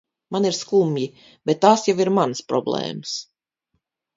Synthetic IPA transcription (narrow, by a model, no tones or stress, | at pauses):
maniɾskumji | b̥et̪ːaːsjawiɾmanspɾɔ̰blˠḛːməs